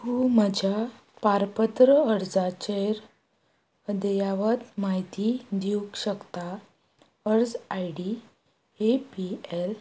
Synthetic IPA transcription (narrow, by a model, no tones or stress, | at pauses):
huməd͡ʑʱa | paɾpət̪ɾəəɾd͡zat͡ɕeɾ | əd̪əjaʋət̪maɦit̪id̪iukɕəkt̪a | əɾd͡zajɽi | epiel